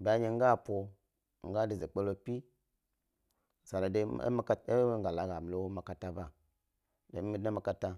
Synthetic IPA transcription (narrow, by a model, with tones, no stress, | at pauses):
ba˦ɲe˨ŋ˦ɡa˦˨po˨ | ŋ˦ɡa˦di˨ze˨k͡pe˦lo˦pi˦˨ | sa˨ɾa˨dḛ˦ma˦ka˦e˦ŋ˦ɡa˨la˨ɡa˨m˨lo˦wo˦ma˨ka˦ta˦ba˦ | de˨˦mi˦a˦ma˦ka˦ta˦